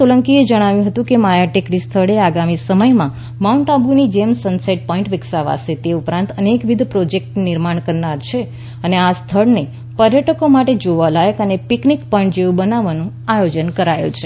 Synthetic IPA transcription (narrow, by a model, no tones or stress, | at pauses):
oləŋkied͡ʒəɽ̃aʋjũɦət̪ũkemajaʈekɾist̪ʰəɭeaɡamisəməjmã | mauɳʈabunid͡ʒemsənseʈ̚pɔĩɳʈʋɪksaʋa̰set̪eupɾãnt̪ənekʋid̪ʱpɾod͡ʒek̚ʈnɪɾmaɳ̃kəɾnaɾt͡ʃʰe | əneast̪ʰəɭne | pəɾjəʈəkomaʈed͡ʒoʋalajəkənepiknikpəɳʈd͡ʒeʋũbənaʋanũ | ajod͡ʒənkəɾajṵ̃t͡ʃʰe